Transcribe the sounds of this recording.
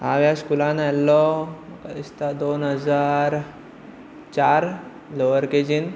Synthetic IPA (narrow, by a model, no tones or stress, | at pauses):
ɦaʋjaskulãnɛlːɔməkəist̪ad̪onɦəd͡zaɾ | t͡ɕaɾ | loʋəɾked͡ʑin